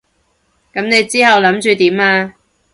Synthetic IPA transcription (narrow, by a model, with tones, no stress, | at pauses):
kɐ˨˥mne˨˧jt͡siː˥ɦɐ˨wlɐ˨˥mt͡ʃyː˧t̪iː˨˥maː˧